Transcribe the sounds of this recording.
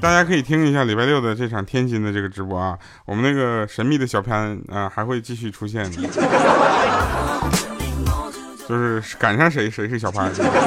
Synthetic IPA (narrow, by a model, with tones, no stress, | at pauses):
t̪a˥˩t͡ɕja˥kʰɤ˧˥i˨˩t̪ʰi˥ŋi˧˥ɕja˥˩li˨˩pa˥˧ɪljo˥˩ʊd̪ə˩ʈ͡ʂɤ˥˩ʈ͡ʂʰɑ˨˩ŋt̪ʰjɛ˥nt͡ɕi˧˥nd̪ə˧ʈ͡ʂɤ˥˩ɡə˩ʈ͡ʂɻ̩˧˥pwɔ˥˩ɐ˧ | wɔ˨˩mə˦na˥˩ɡə˩ʂə˧˥nmi˥˩d̪ə˩ɕjɑ˨˩ʊpʰja˧˥nə˧xa˧˥ɪxwe˥˧ɪt͡ɕi˥˧ɕy˥˩ʈ͡ʂʰu˥ɕjɛ˥˩n˩˥˧ | t͡ɕjo˥˧ʊʂɻ̩˥˩ka˨˩nʂɑ˥˩ŋʂ̬e˧˥ɪʂe˧˥ɪʂɻ̩˥˩ɕjɑ˨˩ʊpʰja˧˥n